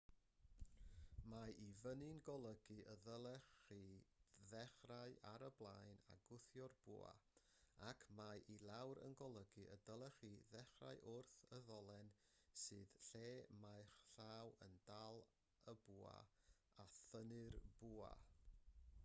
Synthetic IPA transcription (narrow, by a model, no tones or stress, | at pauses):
maʔivənɨnɡɔlˠəɡɨʔəðəlˠɛχiðɛχraɨʔaɾəblˠajna̰ɡʊθjɔrb̥ṵːa̰ | akʰmaʔilˠawɾə̰nɡɔlˠəɡɨʔədəlˠɛχiðɛχra̰ɨʔʊrθəðɔlˠɛn | sɨːðɬeːmajχɬawəndalˠ | əbuːa̰ | aθənɨrb̥uːa̰